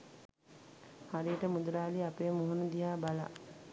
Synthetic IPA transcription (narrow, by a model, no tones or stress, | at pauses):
haɾijəʈəmud̪ulaːliapeːmuɦunud̪iɦaːbala̰